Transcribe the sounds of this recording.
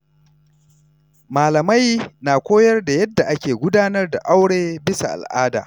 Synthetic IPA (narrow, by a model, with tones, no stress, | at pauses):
maː˨lɐ˨ma˦jnaː˨kʷoː˦jɐ˦rda˨jɐ˦dːa˨ʔa˦kʲeː˨ɡʷʊ˦daː˦nɐ˦rda̰˨ʔa˦wɽeː˦bɪ˦sa̰˨ʔa̰˨lʔaː˦da̰ː˨